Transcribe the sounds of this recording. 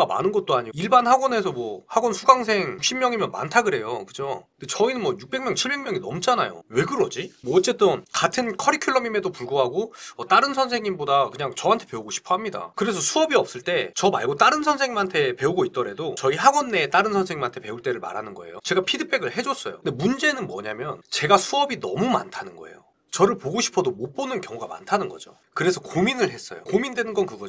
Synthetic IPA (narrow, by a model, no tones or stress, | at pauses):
ama̰nɯnɡʌt͈̚oaɲiiɭbanhaɡwʌne̞sʰʌmwʌhaɡwʌnsʰuɡaŋs̬ʰe̞ŋjukɕ͈ʰimjʌŋimjʌnma̰ntʰaɡɯɾe̞jokɯd͡ʑondet͡ɕʌinɯnmwʌjuk̚p͈e̞ŋmjʌŋt͡ɕʰiɭbe̞ŋmjʌŋinʌ̰mt͡ɕ͈ana̰jo̰we̞ɡɯɾʌd͡ʑimwʌːt͡ɕ͈e̞t͈ɯnkatʰɯnkʰʌɾikʰjuɭːʌmime̞dopuɭɡoɦaɡoʌt͈aɾɯnsʰʌnsʰe̞ŋimbodakɯɲaŋt͡ɕʌɦantʰe̞pe̞uɡoɕʰi̥pʰoɦamɲida̰kɯɾe̞s̬ʰʌsʰuʌbiʌp̚s͈ɯɭt͈e̞t͡ɕʌma̰ɭɡot͈aɾɯnsʰʌnsʰe̞ŋimantʰe̞pe̞uɡoit̚t͈ʌɾedot͡ɕʌiɦaɡʌnːe̞t͈aɾɯnsʰʌnsʰe̞ŋimantʰe̞pe̞uɭt͈e̞ɾɯɭma̰ɾanɯnɡʌ̰e̞̰jo̰t͡ɕe̞ɡapʰidɯpʰe̞ɡɯɭhe̞d͡ʑʌs͈ʌjo̰nde̞mund͡ʑe̞nɯnmwʌ̰ɲamjʌnt͡ɕe̞ɡasʰuʌbinʌ̰muma̰ntʰanɯnɡʌ̰e̞̰jo | t͡ɕʌɾɯɭpoɡoɕʰi̥pʰʌdomop͈onɯnkjʌŋuɡama̰ntʰanɯnɡʌd͡ʑo̰ | kɯɾe̞sʰʌkominɯɭɦe̞s͈ʌ̰jo̰komindwe̞nɯnɡʌnkɯɡʌ